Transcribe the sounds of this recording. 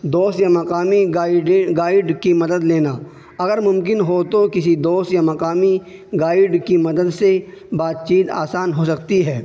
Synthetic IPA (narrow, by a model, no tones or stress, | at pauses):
d̪oːst̪jamɐqaːmiɡaɪɖɡaːɪɖkimɐd̪əd̪leːna | ɐɡəɾmʊ̃mk̬ɪnɦot̪okɪsid̪oːst̪jamɐqaːmi | ɡaːɪɖkimɐd̪əd̪se | baːt̪̚t͡ʃiːt̪a̰ːsaːnɦosɐk̚t̪iɦɛː